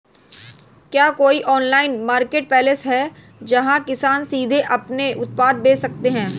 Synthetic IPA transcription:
kjaːkoːiʔɔːnlaːɪnmaːɾkeːʈ̚pɛːləsɦɛ | d͡ʒɐɦãkɪsaːnsiːd̪ʱeʔɐpneʔʊt̪̚paːd̪̚beːsɐk̚t̪eɦɛ̃ː

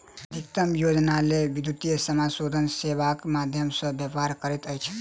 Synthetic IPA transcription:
d̪ʱikt̪əmjod͡ʒnalebid̪jut̪ijəsəmasod̪ʱənsebakmad̪ʱjəmsə̃bjəbɦaɾkəɾɛt̪əjt͡ʃʰ

